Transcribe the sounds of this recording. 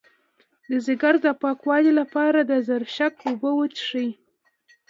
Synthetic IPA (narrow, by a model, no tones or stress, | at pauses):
d̪əzɪɡaɾd̪əpɑkwɑlilapɑɾad̪əzaɾʃakobəwət͡ʃʂəj